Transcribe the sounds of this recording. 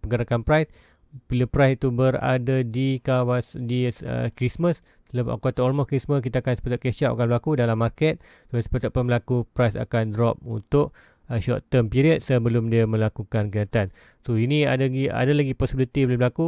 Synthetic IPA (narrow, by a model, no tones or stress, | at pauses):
pəŋɡəɾakanpɾajs | piləpɾajsit̪ubəɾa̰dadikawasdiə̰kɾisməs | tələa̰kat̪aʔɔlmɔkɾisməsk̬it̪aakansə̥pət̪ʊt̪ʔ̚keʃaʔa̰kanbəlakudalamːarkɛt̪̚ | sosə̥pət̪ʊʔ̚pənbəlakupɾajsa̰kandɾɔp̚unt̪ʊʔ̚ | əʃɔ̰ʔt̪əmpiɾiət̪̚səbəlʊmdiamə̃lakukankəɲat̪an | soinia̰daɡia̰dalaɡipɔsibilit̪ibəlumbəlaku